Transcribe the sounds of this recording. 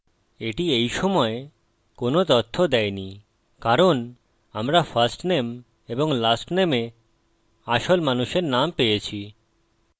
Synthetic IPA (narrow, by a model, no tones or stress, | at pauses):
eʈiejʃɔmɔe | konot̪ɔt̪ʰːod̪ɛjni | kaɾon | amɾafasʈnem | eboŋlasʈneme | aʃolmanuʃeɾnampejet͡ɕʰi